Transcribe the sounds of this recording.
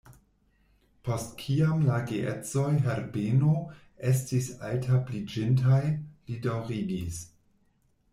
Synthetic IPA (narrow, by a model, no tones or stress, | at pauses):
pʰo̞stkʰiamlaɡeʔet͡so̞jɦeɾbeno | e̞s̬tisa̰ltʰaplid͡ʒintajlidawʁiɡis